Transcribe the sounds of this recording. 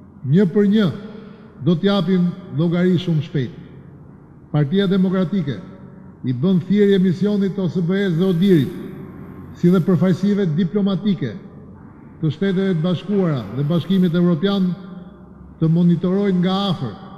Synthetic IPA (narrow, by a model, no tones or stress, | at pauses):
ɲəpəɾɲə | d̪ɔt̪əjap̬imlɔɡaɾiʃumʃpɛjt̪ | paɾt̪iad̪ɛmɔkɾat̪ikɛ̰ | ibənθjɛɾjɛmisjɔnit̪ɔsəbəɛsðɛɔd̪iɾit̪ | siðɛpəɾfajsivɛd̪iplɔmat̪ikɛ̰ | t̪əʃt̪ɛt̪ɛvɛt̪̬əbaʃkuaɾaðɛbaʃkimit̪̬ɛvɾɔpjan | t̪əmɔnit̪ɔɾɔjnŋɡaafə̰ɾ